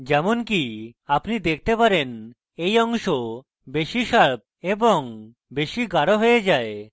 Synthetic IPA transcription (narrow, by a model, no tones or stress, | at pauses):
d͡ʑɛmonkiapnid̪ek̚ʰt̪epaɾen | ejɔŋʃo | beʃiʃaɭb̚eboŋ | beʃiɡaɽoɦojed͡ʑae